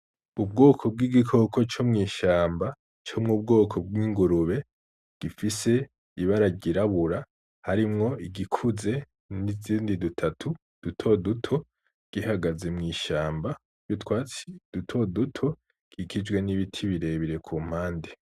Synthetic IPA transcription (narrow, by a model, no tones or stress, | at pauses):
ub̚ɡo̞ːkʰo̞b̚ɡiɡikʰo̞ko̞t͡ʃomŋiːʃaːmba | t͡ʃomŋuːb̚ɡo̞ːkʰo̞b̚ɡiːŋɡuɾuβe̞ | ɡ̥ifise̞ | iβaɾaɟiɾaβuɾa | haɾimŋo̞iɡikʰuze̞ | niziːndidutʰatʰu | d̥utʰo̞dutʰo̞ | ɡ̥ihaɡaze̞mŋiːʃaːmbḁ | jutkwaːt͡si̥d̥utʰo̞dutʰo̞ | ɡ̥ikʰid͡ʒwe̞niβitʰiβiɾe̞βiɾe̞kʰuːm̥haːnde